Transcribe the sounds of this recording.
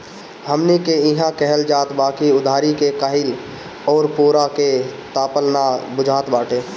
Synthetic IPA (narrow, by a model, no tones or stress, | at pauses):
ɦəmnikeɪɦãkɛɦəld͡ʒaːt̪baːkiʊd̪ʱaːɾikekaːɦɪl | ɔːɾpoːɾaket̪aːpəlnabʊd͡ʒʱaːt̪baːʈẽː